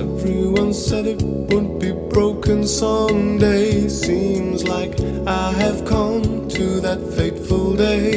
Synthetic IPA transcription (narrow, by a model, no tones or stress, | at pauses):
ɛvɹiwʌ̃nsɛɾɨt̚ | wʊdⁿb̥ibɹoʊkʰɨ̃nsʌ̃ŋdeɪsĩmzlaɪk | aɪɨv̥kʰʌ̃mtʰɨðɨtfeɪθfəl̩ˠdeɪ